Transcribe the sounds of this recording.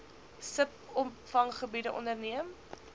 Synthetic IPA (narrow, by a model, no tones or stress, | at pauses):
səpɔmfɐŋχəbidəʔɔ̰ndərniəm